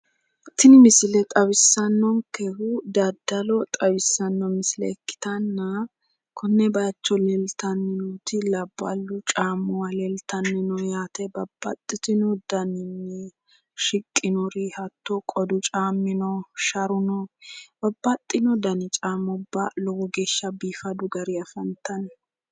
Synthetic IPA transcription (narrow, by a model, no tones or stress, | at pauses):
t̪ɪnɪmɪsɪlɛt̪ʼɐwɪsːɐnːɔŋkɛhʊd̪ɐd̪ɐlɔt̪ʼɐwɪsːɐnːɔmɪslɛ̰ːkːɪ̥t̪ɐnːɐ | kʰɔnːɛbɐt͡ʃːɔlɛlt̪ɐnːɪnɔt̪ɪlɐbːɐ̰lːʊt͡ʃʼaːmːʊwalɛlt̪ɐnːɪnɔjaːt̪ɛbɐb̥ːɐ̰t̪ʼːɪt̪ɪnɔd̪̥ɐnɪnːɛ | ʃɪkʼːɪnɔɾihɐt̪ːɔkʼɔd̪ʊt͡ʃʼaːmːɪnɔʃɐɾʊnɔb̥ɐbːɐt̪ʼːɪnɔd̪ɐnɪt͡ʃʼaːmɔbːɐlɔɡɔɡeːʃːɐbiːfɐd̪ʊɡɐɾɪɐfɐnt̪ɐn